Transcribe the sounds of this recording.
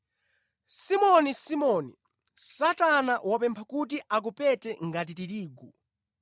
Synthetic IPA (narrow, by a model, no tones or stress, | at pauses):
simɔnisimɔnḭ | satanaʔwɔpɛmpʰakutiʔak̬upɛtɛŋɡatitiɾiːɡu